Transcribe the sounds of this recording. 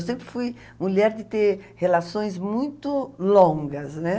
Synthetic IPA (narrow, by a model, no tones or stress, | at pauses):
wsẽmpɾɪfuj | muʎɛɾd̪ɪt̪eɾhelasõj̃zmũj̃t̪ʊlõŋɡɐznɛ